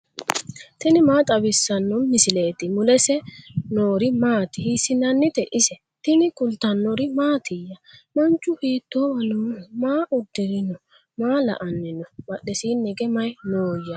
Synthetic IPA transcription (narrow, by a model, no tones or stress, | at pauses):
t̪ɪnɪmaːt̪ʼɐbɪsːɐnːɔmɪsɪle̞ːt̪ɪmʊlɛsɛnoːɾɪmaːt̪ɪhisːɪnɐnːɪt̪ɛʔɪsɛ | t̪ɪnɪkʊlt̪ːɐnːɔɾɪmaːt̪ʰɪjːɐmɐnt͡ʃʼːʊhiːt̪ːoːwɐnomaːʔʊd̪ːɪɾɪnɔ | maːlɐ̰ʔɐnːɪnɔmɐɗːɛsiːnːɛɡɛmɐjnoːjɐ